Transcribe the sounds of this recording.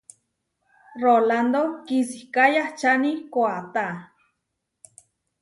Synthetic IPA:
roland̪okisihkajaht͡ʃanikoat̪a

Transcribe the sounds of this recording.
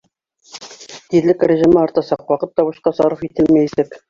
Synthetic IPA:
t̪iðlɘkɾʲɘ̆ʒimɤɑɾt̪ɑsɑqwɑqɤt̪ːɑβɤ̆ʃqɑsɑɾɤfit̪ɘlmæjsɘk

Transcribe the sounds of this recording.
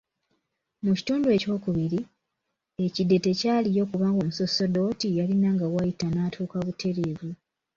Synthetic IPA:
muci̥tuːndue̞ːco̞ːkuβiɾi | e̞cidːe̞te̞caːlijo̞kuβaːŋɡo̞ːmuso̞so̞do̞tijalinaːŋɡawajitanaːtʰuːkaβutʰe̞ɾeːvu

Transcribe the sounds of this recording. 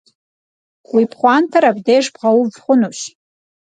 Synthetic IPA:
wipʰχʷantʰaɾabdejʐbʁawuvχʷʊnuɕ

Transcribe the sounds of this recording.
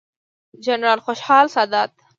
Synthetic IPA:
d͡ʒanɾɑlxoʃhɑlsɑd̪ɑːt̪

